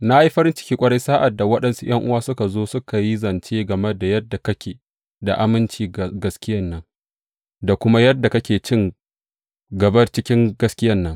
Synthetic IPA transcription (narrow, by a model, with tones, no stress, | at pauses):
na˦ʔa˦i˦ɸɐ˦ɾɪ˦nt͡ʃɪ̥˦kʲiː˦kʷʼɐ˦ɽe˦jsaː˦ʔa˨dːa˨wɐ˦ɗɐ˨nsu˦j̰ɐ˦ŋʔʊ˦waː˦sʊ˦ka˨zoː˦sʊ˦ka˨ji˦zɐ˨nt͡ʃeː˦ɡɐ˨mɛ˦da˨jɐ˦dːa˨kɐ˦kʲeː˨ | da̰˨ʔa˦mɪ˦nt͡ʃiː˨ɡɐ˦skʲɪ˦jɐ˦nːɐ˦ŋ | da˨kʷʊ˦ma˦jɐ˦dːa˨kɐ˦kʲeː˨t͡ʃɪ˦ŋ | ɡɐ˨bɐ˦rt͡ʃɪ˦kʲɪ˦ŋɡɐ˦skʲɪ˦jɐ˦nːɐ˦ŋ